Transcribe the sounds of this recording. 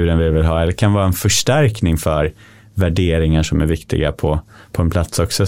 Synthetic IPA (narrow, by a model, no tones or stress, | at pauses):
ʉːɾənvɪvɪlɦɑːɛlːəɾkʰanvɑːɾaɛnfœʂʈæɾknɪŋfœɾ | væɖeːɾɪŋaʂɔmæɾvɪkt̪ɪ̰ɡa̰pʰɔpʰɔɛnpʰlat̪sɔksɔ